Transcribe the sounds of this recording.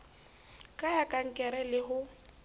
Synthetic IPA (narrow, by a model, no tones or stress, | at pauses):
kʼajakʼaŋ̩kʼɛɾɛlɪɦʊ